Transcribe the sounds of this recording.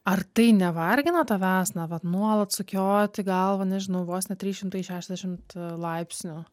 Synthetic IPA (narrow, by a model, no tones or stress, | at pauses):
ɐrt̪ɐɪnʲɛʋɐɾʲɡʲɪnɐt̪ɑʋʲæːsnɐʋɐt̪nuɔlˠɐt̪sʊkʲoːt̪ʲɪɡɐlˠʋɐnʲɛʒʲɪnɐʊʋoːsnʲɛt̪ʲɾʲiːʃʲɪmt̪ɐɪʃʲæːʃʲɛzd̪ʲɛʃʲɪmt̪lˠɐɪpʲsʲnʲʊ